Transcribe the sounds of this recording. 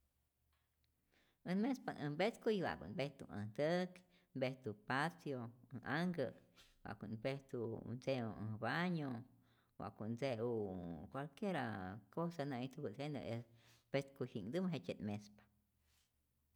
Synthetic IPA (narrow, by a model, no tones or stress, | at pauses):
ənmẽspanʔəmbet̪kujβa̰kṵnbeht̪uʔa̰t̪ək | mbeht̪upasjoʔaŋɡəwa̰ʔkunbeht̪ṵnd͡zeua̰baɲo | wa̰kund͡zeukʷalkjeɾakosanãit̪ubɨsenə̰esbet̪kuhiŋd̪ɨmɦet͡ʃenmespḁ